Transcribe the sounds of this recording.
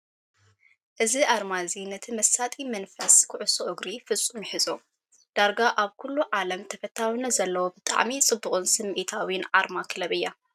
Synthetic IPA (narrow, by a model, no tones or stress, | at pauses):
ʔɨziʔaɾmazinɐt̪ʰimɐsat̪ʼimɐnfɐskʰɨʕʊsoʔɨɡɾifɨt͡sʼːumiħɨzʼo | d̪̥aɾɡaʔaβkʰulːuʕalɐmt̪ʰɐfɐt̪ʰːawinɐzɐlːɐwobɨt̪ʼa̰ʕmit͡sʼɨbːuχʼunsɨmʔit̪ʰawinʕaɾmakʰɨlɐβɨjːa